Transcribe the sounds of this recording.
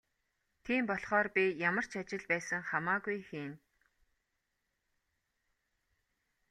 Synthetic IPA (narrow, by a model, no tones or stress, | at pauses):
t̪ʰiːmpɔɮχɔːrpijamə̆r̥t͡ɕʰat͡ɕɪ̆ɮpæːsə̆ŋχamaːɡujxeːn